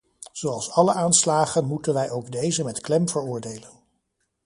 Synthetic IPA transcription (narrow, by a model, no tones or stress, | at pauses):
z̥owɑlˠsɑləʔaːnslaːχənmutənʋɛjʔowɡdejzəmɛtklɛmvəɹʊːɹdejlən